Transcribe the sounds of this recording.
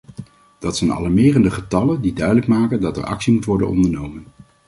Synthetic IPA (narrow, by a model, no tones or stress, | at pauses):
d̥ɑtsɛjnɑ̰lˠɑɹmɪːrəndəχətɑləndidœɥdələkmaːkəndɑtɛ̰ɹɑ̰ksimutʋɔɹdə̰nɔ̰ndəɹnowmən